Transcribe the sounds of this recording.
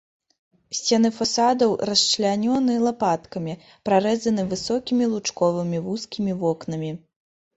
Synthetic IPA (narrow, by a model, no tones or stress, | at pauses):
sʲt͡sʲɛnɨfasad̪ɐwrɐst͡ʂlʲanʲɔnɨlˠapat̪kɐmʲi | pɾaɾɛzɐnɨvɨsɔkʲimʲilˠut͡ʂkɔvɨmʲivuskʲimʲivɔknɐmʲi